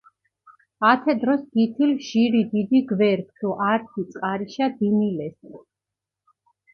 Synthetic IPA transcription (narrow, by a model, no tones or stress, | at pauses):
at̪ʰɛd̪ɾɔsɡit̪ʰilʒ̥iɾid̪id̪iɡvɛɾk̚ʰt̪ʰuʔaɾt̪ʰit̪sʼqʼaɾiʃad̪imilɛs